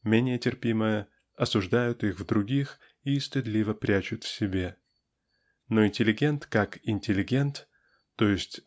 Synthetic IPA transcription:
mʲenʲɪjətʲɪrpʲiməjə | ɐsʊʐd̪ajʊt̪ixvd̪ɾʊɡʲix | ist̪ʲɪd̪lʲivəpɾʲæt͡ɕʊt̪fsʲɪbʲe̞ | noɪnʲtʲɪlʲɪɡʲe̞nt̪kakɪnʲtʲɪlʲɪɡʲe̞nt̪ː | ojɪsʲtʲ

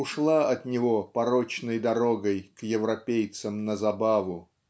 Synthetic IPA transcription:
ʊʂlˠaɐt̪nʲɪvopɐɾot͡ɕnəjd̪ɐɾoɡəjkjɪvɾɐpʲejt̪səmnəzɐbavʊ

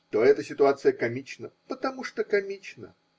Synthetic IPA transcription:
t̪oɛt̪əsʲɪt̪ʊat̪sɨjəkɐmʲit͡ɕnəpət̪ɐmuʂt̪okɐmʲit͡ɕnə̰

